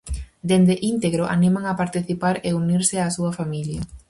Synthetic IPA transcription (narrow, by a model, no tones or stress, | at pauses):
d̪end̪eʔint̪eɣɾoʔa̰nimaŋapaɾt̪iθipaɾeuniɾsɪasuɐfamiljɐ